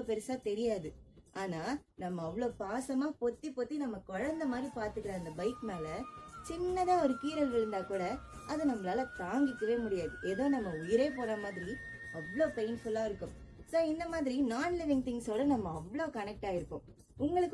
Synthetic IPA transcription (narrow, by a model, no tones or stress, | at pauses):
oːpɛɾɐsaːt̪ɛɾɪjaːðɯʔaːnaːnɐmːɐːʋɐɭoːpaːsɐmaːpɔt̪ːipoːt̪ːinɐmːɐkɔɻɐnd̪ɐmaːd̪ɾipaːɾt̪ɯkːɪɾɐɐnd̪ɐbɐɪkmeːlɐt͡ʃɪnːɐðãːɔɾɯkiːɾɐlɡɐlɪɾɯnd̪aːkuːɽɐ | ɐðɯnɐmːɐɭaːlɐt̪aːŋɡɪkːɐʋeːmʊɽɪjaːðɯʔeːðoːnɐmːɐʊjɪɾeːpoːɾaːmaːðɪɾi | ɐʋɐɭoːpeɪnfʊlaːɪɾɯkːʊ̃m | soːɪnd̪ɐmaːðɪɾinaːnlɛʋɪŋt̪ɪŋsoːɾɐnɐmːɐɐʋːɐɭoːkɐnɛk̚ʈaːɪɾɯpːõ̰ː | ʊŋɡɐɭɯkː